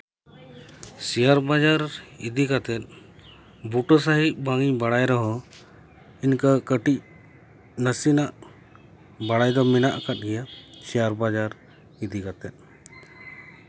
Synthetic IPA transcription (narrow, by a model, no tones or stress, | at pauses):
sijaɾbad͡ʒaɾid̪ikat̪ɛt̪̚ˀ | buʈɔs̬aɦiʔ̚baŋiɲbaɽajɾɔɦɔ | inkəkəʈic | nəsinaʔ | baɽajd̪ɔmɛnaʔkat̪̚ɡɛjasijaɾbad͡ʒaɾ | id̪ikat̪ɛt̪̚ˀ